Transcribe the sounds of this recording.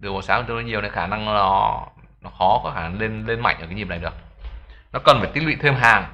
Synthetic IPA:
ɗɨ˨˩əkɓo˨˩saː˨˦wə˨˩t̪ə˧˩ɔ˨˦ɲ˨əwna˨˦xaː˧˩na˧ŋ˧˦nɔ˨˦nɔ˨˦xɔ˨˦kɔ˨˦xaː˧˩na˧˩ŋle˧nle˧nma̰˧˨jŋʔaː˨˦ɲ˨˩mna˨˩jɗə˩k̚nɔ˨˦kə˨˩nfaː˧˩t̪i˦˥ɓḭ˧˨t̪ʰe˧mɦaː˨˩ŋ

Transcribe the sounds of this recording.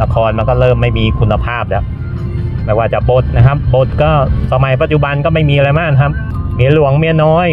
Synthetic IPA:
la˧kʰɔː˧nma˧nkɔː˥˩ɾɤː˥˩mːa˥˩jmiː˧kʰu˧nːa˧pʰaː˥˩p̚lɛ˦˥ | ma˥˩jwaː˧˥˩t͡ɕa˨˩ʔbo˨˦t̪̚na˦˥kʰa˦˥p̚bo˨˩t̪̚kɔː˥˩sa˧ma˨˧˦jp̬a˧˦t̪̚t͡ɕu˨˩ba˧nkɔː˥˩ma˥˩jmiː˧ʔa˧ɾa˧jmaː˥˩na˧kʰa˦˥p̚ | mi˨˦lu˨˩˦əŋmi˨˦nɔː˦˥j

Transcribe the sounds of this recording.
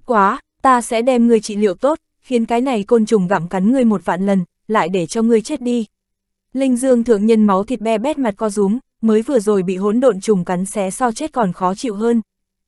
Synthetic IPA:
kwaː˨˦ | t̪aː˧sɛ̰˧˥ɗɛ˧mŋɨ˨˩əjt͡ɕḭ˧˨lḭ˧˨əwt̪o˦˥t̚ | xi˨˦ənkaː˨˦jna˨˩jko˧nt͡ɕʊ˨˩ŋ͡mɣaː˧˩mka˨˦nŋɨ˧˩əjmo˨˩t̚va̰ː˧˨nlə˨˩n | la̰ː˧˨jɗe˧˩t͡ɕɔ˧ŋɨ˨˩əjt͡ɕe˦˥t̚ɗi˧ | lï˧ŋ̟zɨ˧əŋt̪ʰɨ˧əŋɲə˧nma˨˦wt̪ʰi˨˩t̚ɓɛ˧ɓɛ˦˥t̚ma˨˩t̚kɔ˧zʊ˨˦ŋ͡m | məː˨˦jvɨ˨˩əzo˨˩jɓḭ˧˨ɦo˨˥nɗo̰˧˨nt͡ɕʊ˨˩ŋ͡mka˨˦ŋsɛ˨˦sa˧wt͡ɕe˦˥t̚kɔ˨˩nxɔ˨˦t͡ɕḭ˧˨wɦəː˧n

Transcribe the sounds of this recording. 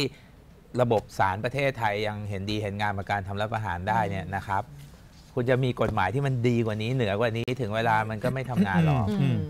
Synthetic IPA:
iː˥˩ | ɾa˧bo˨˩p̚saː˩˦npɾa˧t̪ʰeː˥˩t̪ʰːa˧jːa˧ŋɦe˩˦ndiː˧ɦe˩˦nŋaː˧npa˨˩kaː˧nt̪ʰa˧mɾa˦˥pʔaː˧ɦaː˩˦ndaː˥˩jni˥˩ɐna˦˥kʰɾa˦˥p̚ | kʰu˧nt͡ɕa˨˩miː˧ko˨˩t̪̚maː˩˦jt̪ʰiː˥˩ma˧ndiː˧kwaː˨˩niː˦˥nɯ˩˦ɐkwaː˨˩niː˦˥t̪ʰɯ˩˦ŋweː˧laː˧ma˧nkɔː˥˩ma˥˩jt̪ʰa˧mŋaː˧nlɔ˦˧˩

